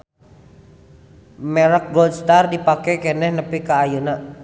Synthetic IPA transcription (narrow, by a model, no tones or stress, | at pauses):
mɛɾək̚ɡɔd̪st̪ardipakɛkɛnɛhnəpikaːjuna